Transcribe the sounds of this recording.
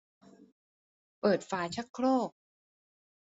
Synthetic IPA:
pɤː˨˩t̪̚faː˨˦t͡ɕʰa˦˥kʰɾoː˥˩k̚

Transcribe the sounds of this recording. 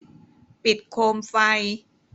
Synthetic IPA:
pi˨˩t̪̚kʰoː˧mfa˧j

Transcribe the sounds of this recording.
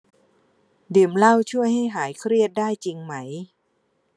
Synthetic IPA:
dɯ˨˩mla˥˩wt͡ɕʰu˥˩əjɦa˥˩jɦaː˩˦jkʰɾi˥˩ət̪̚daː˥˩jt͡ɕi˧ŋma˦˥j

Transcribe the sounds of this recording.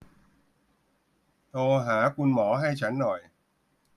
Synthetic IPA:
t̪oː˧ɦaː˩˦kʰu˧nmɔː˩˦ɦa˥˩jt͡ɕʰa˦˥nːɔ˨˩j

